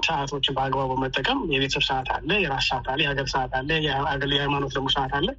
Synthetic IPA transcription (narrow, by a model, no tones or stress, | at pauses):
səʔat̪ʰo̞t͡ʃːɪnbəaɡbaβmət̪ʼːəkʼəmjɛβet̪ʰəsɨβsəʔat̪ʰa̰lːəjɛɾassəʔat̪ʰalːəjɛhaɡəɾsəʔat̪ʰalːəjaɡəhajmano̞t̪d̪əmːosəʔat̪ʰalːə